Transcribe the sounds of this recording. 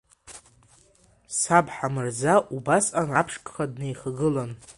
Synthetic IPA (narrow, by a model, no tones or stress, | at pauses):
sabħamɨrd͡zaʔubasanapʰʂkʼχadnejχaɡɨlon